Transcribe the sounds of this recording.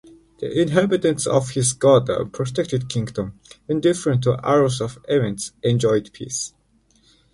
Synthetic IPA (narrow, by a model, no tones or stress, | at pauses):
ð̥ḭʔɪ̃nɦæbɨtə̃nsɔ̰v̥hɪzɡɑdə̰pʰɹ̥ɔtʰɛk̚tɨd̚kʰɪ̃ŋɡdə̃mɪ̃ndɪfəɹə̃ntʰːuʔa̰ɹəsɔvɛvɨ̃nsʔɛ̃nd͡ʒɔɪdpʰḭs